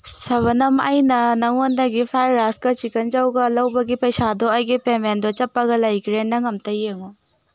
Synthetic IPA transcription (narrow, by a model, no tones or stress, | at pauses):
sɐβɐnɐma̰inɐnɐŋɐnd̪ɐɡifʰɾaːjɾaːskɐt͡ʃikɐnd͡ʒɐwɡalɐwbɐɡipɐʃaːd̪oɐɡepemẽːnd̪ot͡ʃɐpːɐɡɐlaikɾeːnɐŋɐmt̪ɐjeŋo